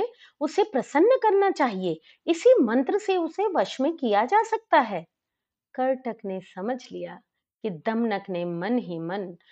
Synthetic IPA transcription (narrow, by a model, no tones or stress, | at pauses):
e | ʊsepɾɐsənːəkɐɾnat͡ʃaːɦie | ɪsimɐ̃nt̪ɾəseʊseʋɐʃmẽkijad͡ʒaːsɐk̚t̪aɦɛː | kɐɾʈəknesɐməd͡ʒʱlija | kid̪ɐmnəknemɐnɦimɐn